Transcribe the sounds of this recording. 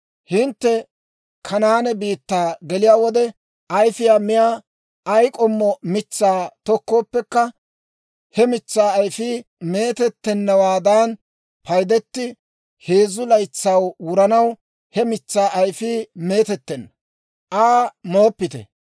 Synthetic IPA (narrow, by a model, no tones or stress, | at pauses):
hɪnt̪ːɛ | kʰɐnaːnɛbiːt̪ːaːɡɛlɪjaːwɔd̪ɛ | ɐjfɪjaːmɪjaː | ʔɐjkʼɔmːɔmɪt͡sːaːt̪ɔkːo̞ːpːɛkːɐ | hɛmɪt͡sːaːjfiːme̞ːt̪ɛt̪ːɛnːɐwaːd̪aːn | pʰɐjd̪ɛt̪ːɪ | he̞ːzʊlɐjt͡sːɐwwʊɾɐnɐw | hɛmɪt͡sːaːʔɐjfiːmeːt̪ɛt̪ːɛnːɐ | ʔaːmo̞ːpːɪt̪ɛ̰